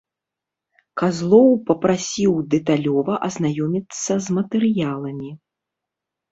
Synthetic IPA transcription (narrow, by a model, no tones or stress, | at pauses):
kazlˠɔwpɐpɾasʲiwd̪ɛt̪alʲɔvɐʔɐznajɔmʲit̪sːɐzmɐt̪ɛɾɨjalˠɐmʲi